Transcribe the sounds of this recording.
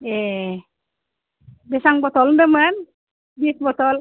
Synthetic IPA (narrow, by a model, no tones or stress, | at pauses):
e | bɛsaŋbɔt̪ɔldəmən | bis̚bɔt̪ɔl